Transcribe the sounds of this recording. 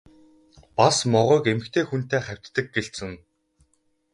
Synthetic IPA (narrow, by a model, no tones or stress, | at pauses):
pasmɔʁʊːkemɘ̆xt̪ʰeːxun̥t̪eːχæw̥ʲt̪ːə̆k̚ɡeɬsɘ̆ŋ